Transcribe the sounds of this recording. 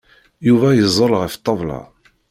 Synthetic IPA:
juvæjəzˤːəlʁəft̪ˤːɑvˤlɑ̰

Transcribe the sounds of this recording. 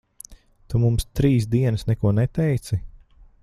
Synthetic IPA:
t̪umumst̪ɾiːs̬d̪iɛnɨsnɛkuɔnɛt̪ɛjt̪si

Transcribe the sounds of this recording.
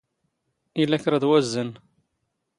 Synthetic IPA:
ilːæçɾˤɑðwæzːən

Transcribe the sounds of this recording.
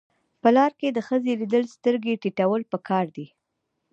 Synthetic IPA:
pəlɑɾked̪əxəzelid̪əlst̪əɾɡeʈiʈawəlpəkʰɑɾd̪i

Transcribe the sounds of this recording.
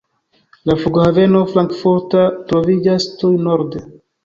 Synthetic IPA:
lafuɡhave̞no̞flaŋkfuɾtatɾo̞vid͡ʒastujnoɾde

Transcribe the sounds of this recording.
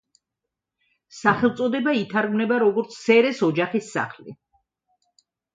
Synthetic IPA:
saχɛlˠt̪sʼɔd̪ɛbait̪ʰaɾɡmnɛbaɾɔɡɔɾt̪sʰsɛɾɛsɔd͡ʒaχisːa̰χlḭ

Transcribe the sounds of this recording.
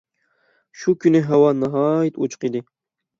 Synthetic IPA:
ʃukʲʰynɪɦɛwɑnɑɦɑːjit̪ut͡ʃʰʊ̥qid̪ɪ

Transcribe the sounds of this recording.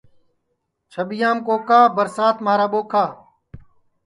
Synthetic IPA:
t͡ʃʰəɓɪjaːmkoːkaːbəɾsaːt̪maːɾaːɓoːkʰaː

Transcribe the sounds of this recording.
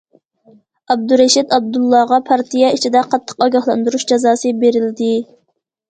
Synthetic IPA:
ɑb̚d̪uɾɛʃid̪ɑb̚d̪ulˠːɑʁɑpʰɑɾt̪ʰijɑit͡ʃʰid̪ɛqʰɑt̪ʰːə̥qɑɡɑhlˠɑnd̪uɾuʃd͡ʒɑzɑːsɨbeɾɪld̪ɪ

